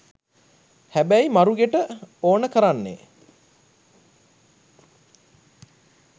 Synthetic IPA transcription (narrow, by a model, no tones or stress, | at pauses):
hæbæjimaɾuɡeʈəoːnəkəɾanːḛ